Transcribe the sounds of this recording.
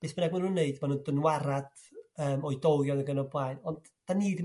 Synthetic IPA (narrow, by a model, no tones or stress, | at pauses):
b̥eːsb̥ənɛɡ̚manhunːeɨdmanuːndənwaɾad̥ | əːmɔɨdɔwjɔðəɡənɔblˠajnɔnd | d̥aniːd